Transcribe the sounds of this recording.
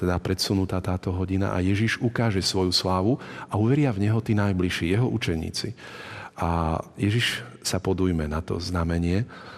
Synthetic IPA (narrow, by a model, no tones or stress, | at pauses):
t̪ɛd̪apɾɛt̪sunut̪aːt̪aːt̪ɔɦɔɟina̰ʔa̰jɛʒiʒukaːʒɛsʋɔjuslaːʋuauʋɛɾɪavɲɛɦɔt̪iːnajbliʃijɛɦɔʔut͡ʃɛɲḭːt͡sḭʔajɛʒiʃsapɔd̪ujmɛnat̪ɔ̰znamɛɲɪɛ